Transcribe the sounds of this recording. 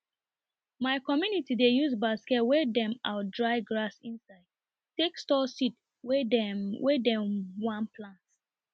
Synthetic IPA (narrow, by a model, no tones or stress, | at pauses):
maɪkɔmjunitidejuzbaskɛtwɛdɛ̃maldɹaɪɡɹasĩnsaɪd̥ | tekstɔsit | wɛdɛ̃mwãnpʰlãnt